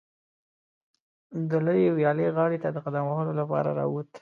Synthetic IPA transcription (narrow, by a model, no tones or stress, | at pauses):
d̪ələjewjɑleɣɑɽet̪ad̪əqad̪amahəlolapɑ̰ɾa̰ɾɑ̰wut̪